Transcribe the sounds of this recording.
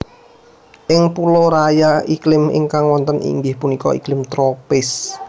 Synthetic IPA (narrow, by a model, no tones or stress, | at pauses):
ʔɪŋpulɔɾajaiklɪmɪ̰ŋkaŋwɔnt̪ənʔḭŋɡɪhpunikɔ̰ḭklɪmt̪ɾopɪs